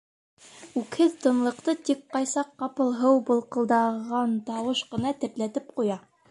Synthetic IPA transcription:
ʉkhɘðt̪ɤ̆nlˠɤ̆qt̪ɤt̪ik̚qɑjsɑqːɑpɤ̆lˠɦɤwbɤ̆lˠqɤ̆lˠd̪ɑʁɑnt̪ɑwɤʃqɤ̆nɑt̪ɘ̆ɾt̪læt̪ɘp̚qujɑ

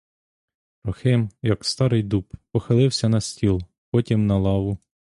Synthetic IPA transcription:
pɾɔxɪmjɐkst̪ɑɾɪjd̪uppɔxɪlˠɪwsʲɐnɐsʲtʲilˠ | pɔtʲimnɐlˠɑʋʊ

